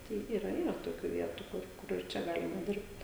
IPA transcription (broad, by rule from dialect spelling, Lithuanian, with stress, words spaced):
ˈtɐɪ ˈiːrɐ ˈiːrɐ toːˈkʲuː ˈʋʲiɛtʊ kʊr ˈkʊr ɪr ˈt͡ʃʲɛ ˈɡɑːlʲɪmɐ ˈdʲɪrpt